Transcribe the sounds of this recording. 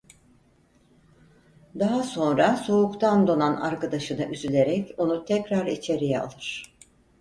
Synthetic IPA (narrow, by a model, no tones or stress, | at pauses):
d̪aɦaso̞nɾaso̞ukt̪ʰand̪o̞nana̰ɾkad̪aʃɯnaʔyzylʲe̞ɾɛco̞nut̪ʰɛcɾaɾit͡ʃʰe̞ɾijɛa̰lˠɯɾ̥